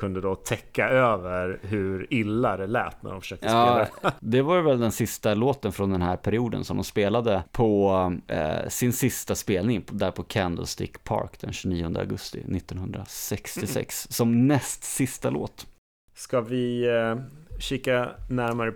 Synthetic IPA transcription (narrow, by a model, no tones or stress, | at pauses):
kʰɵnd̪əd̪ɔt̪ʰɛkːaøːvəɾɦɵɾɪlːad̪ɛlɛ̰ːt̪næ̰dɔnfə̥ʂøːkt̪ɑːd̪ɛvaɾvɛld̪ɛnsɪst̪aloːt̪ənfɾɔnd̪ɛnɦæɾpʰæɾɪuːd̪ə̰nsɔmd̪ɔmspeːlad̪əpʰɔ | sɪnsɪst̪aspeːlnɪŋd̪æɾpʰɔkʰænd̪ə̰lst̪ɪ̰kpʰɑ̰ɾkd̪ɛ̰nɕʉniːʊnd̪ə̰a̰ɡɵst̪ɪ̰nɪt̪ːɔnhɵnd̪ɾa̰sɛkst̪ɪsɛ̰ksːɔmnɛst̪sɪst̪alo̰ːt̪ | skavɪ | ɕɪkːanæɾmaɾə